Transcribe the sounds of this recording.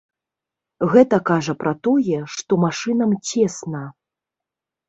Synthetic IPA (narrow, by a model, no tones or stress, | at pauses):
ɣɛt̪ɐkaʐɐpɾɐt̪ɔjɛʂt̪ɔmaʂɨnɐmt͡sʲɛsnɐ